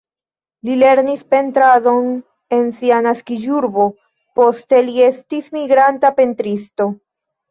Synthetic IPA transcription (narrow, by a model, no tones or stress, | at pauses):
lile̞ɾnispe̞ntɾado̞n | e̞nsianaskid͡ʒuɾbo̞ | po̞ste̞lie̞stismiɡɾantape̞ntɾisto̞